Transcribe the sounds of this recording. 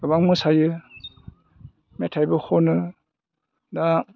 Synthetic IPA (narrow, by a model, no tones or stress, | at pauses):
ɡ̥ɯbaŋmɯsajɯ | metʰajbɯhɔnɯ | da